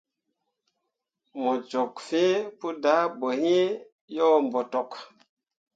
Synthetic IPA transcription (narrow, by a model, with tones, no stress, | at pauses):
mo˨t͡ʃo˨kfe˦pu˦da˨˦bo˨hi˦ | jɔ˦mbo˨to˨k